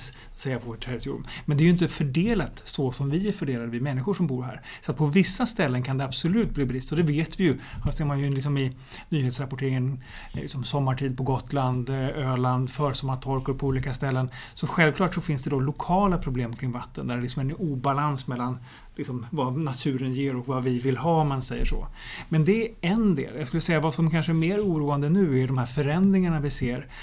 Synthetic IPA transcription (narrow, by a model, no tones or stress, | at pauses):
t̪sɛjːapʰɔʈʰɛɾɪt̪ʰṵːɾʊ̰mmɛnd̪ɛɾjʏɪnt̪əfœɖeːlat̪sɔsɔmvɪæɾfœɖeːlad̪əvɪmɛnːɪɧʊʂɔmbuːɾɦæ̰ːɾsɔat̪̚pʰɔvɪsːast̪ɛlːənkʰand̪ɛab̥sɔlʉ̟ːt̪̚bliːbɾɪst̪ɔd̪ɛveːt̪vɪjɵhaseːɾmanjɵlɪksɔmɪ | nyːheːt̪sɾapɔʈʰeːɾɪŋən | lɪ̰ksɔmsɔmːaʈʰiːd̪̚pʰɔɡɔt̪ːland̪øːɭand̪fœːɾsɔmːaɾt̪ʰɔɾkʊɾpʰɔuːliːkast̪ɛlːənsɔɧɛlvklɑːʈsɔfɪnsd̪ɛd̪ɔlʊkʰɑːlapʰɾʊbleːmkʰɾɪŋvat̪ːə̰nd̪æɾɛlɪksɔmɛɾɛnuːbalansmɛlːan | lɪksɔmvanat̪ʰʉ̟ːɾənjeːɾɔkvavɪvɪlɦɑːmansɛjːə̰ʂɔ̰mɛnd̪ɛːɛnd̪ḛːljaɡskɵlːəsɛjːavasɔmkʰanʂəɛɾmeːɾuːɾuːand̪ənʉ̟ːæhɖɔmhæɾfœɾɛnd̪ɾɪŋaɳavɪseːɾ